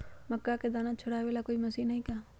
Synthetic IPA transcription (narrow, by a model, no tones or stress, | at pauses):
mɐkːaked̪aːnat͡ʃʰoɽaʋeːlakoːimɐsiːnɐɦĩka